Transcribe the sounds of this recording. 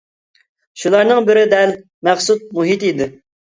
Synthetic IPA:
ʃulˠɑɾnɨŋbɪɾɪd̪ɛl | mæχsut̪̚muɦit̪id̪ɪ

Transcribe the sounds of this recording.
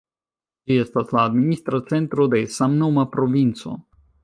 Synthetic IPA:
d͡ʒiest̪aslaːd̪minist̪ɾat̪t͡s̪ent̪ɾod̪esamnomapɾovint͡so̞̰

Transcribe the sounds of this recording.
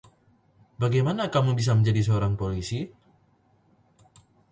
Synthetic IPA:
baɡajmanakamubis̬aməɲd͡ʒadisəoɾaŋpolisi

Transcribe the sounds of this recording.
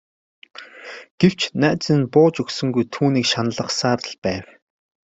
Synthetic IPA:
ɡ̥ew̥t͡ɕnæːt͡sɘ̆npʊːt͡ɕɵksɵ̆ŋɡujt̪ʰuːniːkʃanə̆ɮə̆χsaːɾə̆ɮpæːw

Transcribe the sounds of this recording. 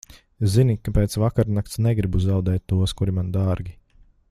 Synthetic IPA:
zinʲikːapeːt̪svakaɾnakt̪sneɡɾibuzawd̪ɛːt̪ʲːuɔskuɾimand̪aːɾɡʲi

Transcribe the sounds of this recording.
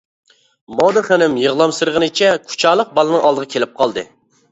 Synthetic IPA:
mod̪ɨχænɪmjəʁlˠɑmsɨɾʁənɨt͡ʃʰɛkʰu̥t͡ʃʰɑːlˠəq̚bɑlˠɨnɨŋʔɑlˠd̪əʁɑkʲʰelɪp̚qʰɑlˠd̪ɨ̰

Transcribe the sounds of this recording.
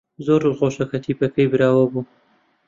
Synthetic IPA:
zoɾlqoʃɐkɐt̪ʰiːpɐkɐjbɨɾaːwɐbuː

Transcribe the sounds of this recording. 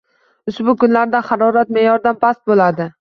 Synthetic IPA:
ʊsbʊkʊnlaɾd̪aχɑɾɒɾat̪mejɒɾd̪anpʰast̪̚bolad̪ɪ

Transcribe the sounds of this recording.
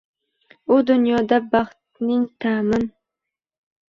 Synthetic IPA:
ʊd̪ʊnjɒd̪abɑχt̪̚nɪŋt̪ʰamɪn

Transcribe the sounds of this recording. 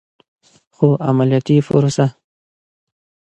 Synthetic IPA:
xoʔamaljɑt̪ifʊ̰ɾusa

